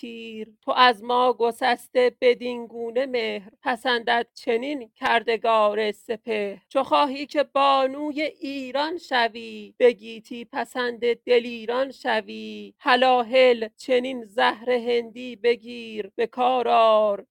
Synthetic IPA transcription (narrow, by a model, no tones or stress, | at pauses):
iːɾt̪ʰoʔæzmɒːɡosæst̪e̞b̥e̞d̪inɡuːne̞mehɾpʰæsænd̪æd̪̥̚t͡ʃʰe̞nincʰæɾd̪e̞ɡɒːɾe̞se̞pʰeht͡ʃʰoxɒːɦiːcʰe̞bɒːnuːje̞ʔiːɾɒnʃæviːb̥e̞ɟiːt̪ʰiːpʰæsænd̪e̞d̪̥e̞liːɾɒnʃæviːhælɒːɦe̞lt͡ʃʰe̞ninzæhɾe̞ɦe̞nd̪iːbe̞ɡiːɾb̥e̞kʰɒːɾɒːɾ